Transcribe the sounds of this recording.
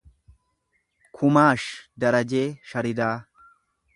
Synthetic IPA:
kʰʊmaːʃd̪ɐɾɐd͡ʒe̞ːʃɐɾɪd̪aː

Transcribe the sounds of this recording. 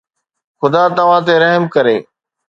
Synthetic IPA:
xʊd̪at̪ɐʋ̤ãt̪̬eɾɐɦmkɐɾeː

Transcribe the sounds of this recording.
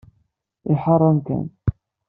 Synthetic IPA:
ɪħɑrˤːɑnkæ̰n

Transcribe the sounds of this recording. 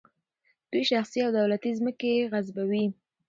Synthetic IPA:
d̪̥ujʃaxsiawd̪awlat̪izməkeɣazbawi

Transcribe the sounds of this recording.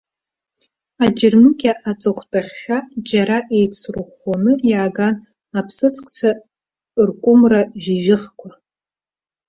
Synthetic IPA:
ad͡ʒɪrmɨkʲaʔat͡sʼɨχʷtʼaχʲʃʷᶣad͡ʒaɾaʔejt͡sʰrɨχanɨjaːɡan | apʰsɨt͡sʰʼkʼt͡sʰa | rkʷʼʊmraʒiʒɪχkʷʰa

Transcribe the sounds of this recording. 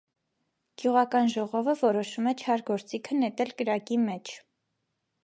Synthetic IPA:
ɡ̥juʁɑkɑnʒɔʁɔvəvɔɾɔʃumɛt͡ʃʰɑɾɡɔɾt͡sikʰənɛt̪ɛlkəɾɑkimɛt͡ʃʰ

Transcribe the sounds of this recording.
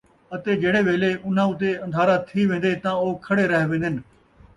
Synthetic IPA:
ət̪eːɡʱeːɽeːʋeːleːʔʊn̤ãːʊt̪̬eːɐ̃nd̪ʱaːɾaːt̪ʰiːʋẽːn̆d̪eːt̪ãːoːkʰəɽeːɾəɦʋẽːd̪ɪn

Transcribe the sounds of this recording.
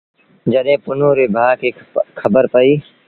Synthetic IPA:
d͡ʒɐɗẽːpʊnõːɾebʱaːkekʰɐbəɾpəiː

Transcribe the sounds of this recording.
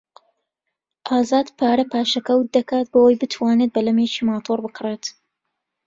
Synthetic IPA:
ʔaːzaːd̪pʰaːɾɐpʰaːʃɐkɐwt̪̚d̪ɐkaːt̪̚bowɐjbɨt̪ʰwaːnet̪̚bɐlɐmet͡ʃiːmaːt̪ʰoːrbɨkʰɨreːt̪

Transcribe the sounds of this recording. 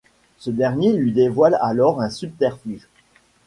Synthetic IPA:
səd̪ɛʁnjelɥid̪evwalalɔʁɛ̃syb̚t̪ɛʁfyʒ

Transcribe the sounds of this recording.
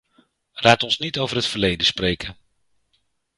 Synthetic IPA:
lʔaːtɔnsnitowvərɦətfərlejdəsprejkə

